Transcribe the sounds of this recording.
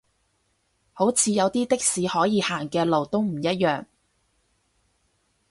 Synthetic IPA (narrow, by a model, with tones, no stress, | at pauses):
ho˨˥wt͡sʰiː˨˧jɐ˨˧wt̪iː˥t̪ɪ˥k̚siː˨˧hɔː˨˥jiː˨˧haː˨˩ŋkɛː˧lo˨˩wt̪o˥wm̩˨˩jɐ˥t̚jœː˨ŋ